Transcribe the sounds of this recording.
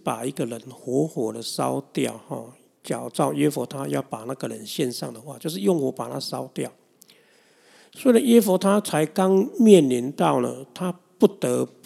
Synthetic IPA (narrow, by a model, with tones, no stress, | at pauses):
pa˨˩i˧˦ɡə˨lə˨˦nxwɔ˨˧˦xwɔ˨˩d̪ə˨sɑ̰˦ʊt̪ja̰˥˨ʊhɔ̰˨˩ | t͡ɕja˨˩ʊt͡sɑ˥˧ʊjɥɛ˦fɔ˨˦t̪ʰa˦jɑ˥˩ʊpa˨˩na˥˩ɡə˨ɻə˧˦nɕjɛ˥˧nʂɑ̰˥˨ŋd̪ə˩xwa̰˥˧t͡ɕjo˥˧ʊʂ̬ɻ̩˥˧jʊ˥˨ŋhwɔ˨˧˦pa˨˩t̪ʰa˦˥sɑ˥ʊt̪jɑ˥˨ʊ | swɔ˧˥i˨˧a˨˦njɛ˦fɔ˧˦t̪ʰa˦t͡sʰa˧˦ɪka˦ŋmjɛ˥˨nli˧˦nt̪ɑ˥˨ʊlə̰˩t̪ʰa˦ | pu˥˩t̪ə˨˧˦